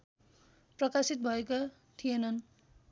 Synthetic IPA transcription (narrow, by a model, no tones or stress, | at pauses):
prʌkasit̪̚bʱʌeko | t̪ʰijenʌn